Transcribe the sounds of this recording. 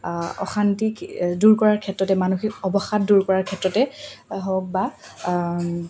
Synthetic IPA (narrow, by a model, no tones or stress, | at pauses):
ɔ̰xantikduɹkɔɹaɹkʰɛtɹɔtɛmanuxikɔbɔxat̚duɹkɔɹaɹkʰɛtɹɔtɛɦɔk̚ba